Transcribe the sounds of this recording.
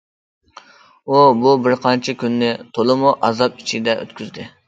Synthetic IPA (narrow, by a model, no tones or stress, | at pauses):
ububɪɾqʰɑnt͡ʃʰikʲynːɪt̪ʰolˠɨmuʔɑzɑp̚it͡ʃʰid̪ɛʔø̰t̪kʲʰyzd̪ɪ